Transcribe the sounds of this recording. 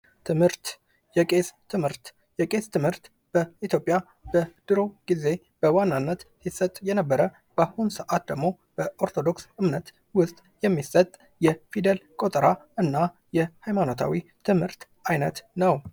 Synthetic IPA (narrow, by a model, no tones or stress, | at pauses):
t̪ʰɨmhɨɾt̪ | jɛkʼest̪ʰɨmhɨɾt̪ | jɛkʼe̞st̪ʰɨmhɨɾt̪ | b̥əit̪ʰjo̞pʼja | b̥əd̪̥ɨɾo̞ɡ̥ize̞ | b̥əwanːanːət̪sisːət̪ʼjɛnəbːəɾə | b̥ahunsəʔat̪̚d̪əɡmo̞ | b̥əʔo̞ɾt̪ʰo̞d̪o̞ksɨmnət̪ | wʊst̪ʼjɛmːisət̪ʼ | jɛfid̪əlkʼot̪ʼəɾaɨnːa | jɛhajmano̞t̪ʰa̰wit̪ʰɨmhɨɾt̪ | ajnət̪nəw